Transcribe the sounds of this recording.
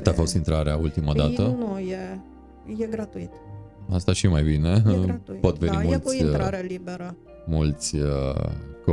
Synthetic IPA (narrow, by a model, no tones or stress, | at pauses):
t̪afo̞st̪int̪ɾaɾeault̪imad̪aənuje | jeɡɾat̪uit̪ast̪aʃimajbine̞at̪po̞t̪venimult̪aɾalibeɾə | mult̪sʲ | k